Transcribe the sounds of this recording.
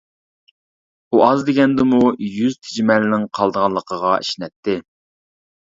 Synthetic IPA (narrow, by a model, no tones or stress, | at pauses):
uʔɑzd̪eɡʲɛnd̪ɪmujyzt̪ʰɪd͡ʒmɛlɪnɪŋqʰɑlˠd̪əʁɑlˠːəqʰəʁɑiʃnɛt̪ːɪ